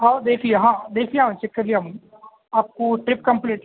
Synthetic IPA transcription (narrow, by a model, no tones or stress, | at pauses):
ɦad̪eːkʰieɦãːd̪eːkʰlijeɦãːt͡ʃekːɐɾlijeɦɐm | aːp̚koʈɾɪpkɐ̃mpliːʈ